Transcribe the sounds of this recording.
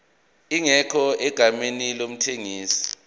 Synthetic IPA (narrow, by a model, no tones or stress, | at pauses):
iŋɛkʰɔɛɡ̥ʱamenilom̩tʰeŋiːsi̥